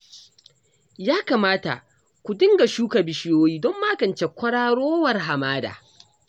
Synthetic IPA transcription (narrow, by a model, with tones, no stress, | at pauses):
jaː˦kaː˨maː˦ta̰˨ | kʷu˨dɪ˦ŋɡa˨ʃuː˦ka˨bɪ˨ʃɪ˦joː˦jiː˦dɔ˦mːaː˦ɡɐ˨nt͡ʃe˨kʷɐ˦ɽaː˦ɽoː˦wɐ˨rɦa˨maː˦da̰ː˨